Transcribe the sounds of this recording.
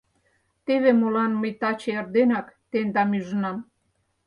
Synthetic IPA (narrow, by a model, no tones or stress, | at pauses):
t̪eβemolɑnməjt̪ɑt͡ɕeerd̪enɑkt̪end̪ɑmyʒənɑm